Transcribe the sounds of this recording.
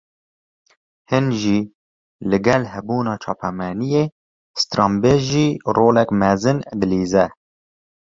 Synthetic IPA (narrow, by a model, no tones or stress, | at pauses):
hɨnʒiː | lɨɡɛlhɛbuːnɑːt͡ʃʰɑːpʰɛmɛnijeː | st̪ɾɑmbeʒiːroːlɛkmɛzɨnd̪ɨliːzɛ